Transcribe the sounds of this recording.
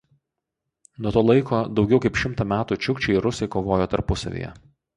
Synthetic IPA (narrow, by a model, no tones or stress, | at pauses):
nuɔt̪oːlˠɐɪkoːd̪ɒʊɡʲɛʊkɐɪpʃʲɪmt̪ɐmʲæːt̪uːt͡ʃʲʊkt͡ʃʲɛɪɪɾʊsʲɛɪkoːʋoːjoːt̪ɐɾpʊsɐ̰ʋʲḭːjɛ̰